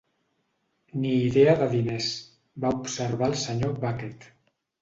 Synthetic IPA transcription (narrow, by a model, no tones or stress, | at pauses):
niːðeaðəðines | baupsəɾβalˠsəɲoβaket̪